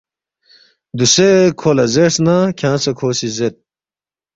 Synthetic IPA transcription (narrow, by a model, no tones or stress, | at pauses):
d̪usekʰoːlɐzesnakʰãːt͡sɐkʰoːsizet̪̚